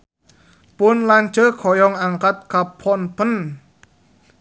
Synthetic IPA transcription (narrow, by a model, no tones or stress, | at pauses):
punlaːnt͡ɕəːkʰɔjɔŋʔaŋkat̪̚kapʰːɔnpʰən